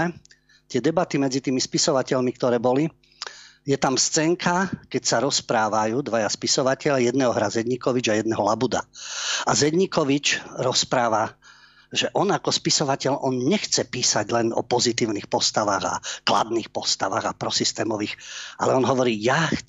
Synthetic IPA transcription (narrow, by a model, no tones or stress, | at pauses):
ɛ | t̪ɪɛd̪ɛbat̪imɛd͡zit̪iːmispisɔʋacɛʎmikt̪ɔɾɛːbɔli | jɛt̪amst͡sɛŋkʰakɛcsaɾɔspɾaːʋajuːd̪ʋajaspisɔʋacɛʎajɛd̪nɛːɦɔɦɾazɛd̪ɲikɔʋid͡ʒajɛd̪nɛɦɔlabud̪a̰azɛd̪ɲikɔʋit͡ʃɾɔspɾaːʋa | ʒɛʔɔnakɔspisɔʋacɛʎɔnɲɛxt͡sɛpiːsaɟlɛnɔ̰pɔzit̪iːʊnixpɔst̪aʋaɣa̰kla̰d̪niːxpɔst̪aʋa̰ɣapɾɔsist̪ɛːmɔʋiːxa̰lɛɔnɦɔʋɔɾiːjax